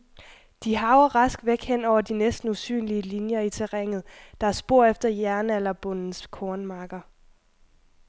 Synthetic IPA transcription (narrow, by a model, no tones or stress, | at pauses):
d̥iɦɑ̈ʊɐʁɑ̈sɡ̥ʋeɡ̥hen̰ɒʊ̰ɐd̥inesd̥n̩usy̰ːnliəlinjɐit͡sʰeʁɛŋ̰ð̞̩ˠd̥ɑæɐsb̥o̝ɐ̰efd̥ɐjæɐnælɐb̥ɔn̰n̩skʰɒːnmɑ̈ːɡ̥ɐ